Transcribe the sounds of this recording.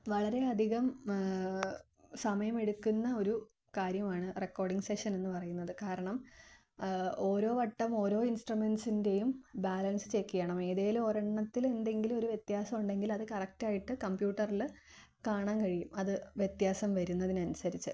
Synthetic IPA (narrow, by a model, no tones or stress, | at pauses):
ʋɐɭɐɾe̞ɐd̪ʱiɣɐm | sɐmɐjɐme̞ɽukːunːɐo̞ɾu | kaːɾjɐmaːɳɨrekːoːrɖiŋɡse̞ʂɐne̞nːɨpɐrɐjunːɐðɨkaːɾɐɳɐm | o̞ːɾo̞ːʋɐʈːɐmo̞ːɾo̞ːinsʈrume̞nsinde̞jumbaːlɐnsɨ̥t͡ɕe̞kːijɐɳɐme̞ːðeːloɾɐɳːɐt̪ːile̞nd̪e̞ŋɡilo̞ɾuʋjet̪jaːsɐmuɳɖe̞ŋɡilɐðɨkɐrɐk̚taːjiʈːɨkɐmbjuːʈːɐril | kaːɳaːnkɐɻijumɐðɨʋjet̪jaːsɐmʋɐɾunːɐðinɐnusɐɾit͡ɕːɨ